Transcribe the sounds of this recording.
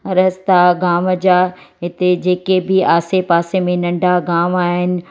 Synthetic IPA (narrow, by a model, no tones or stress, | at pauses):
ɾɐst̪aɡaːməd͡ʑaː | ɦɪt̪ed͡ʑeːkebɪaːsepaːsemẽnɐ̃ɳɖʱaɡaːmaːɦɪnɪ̆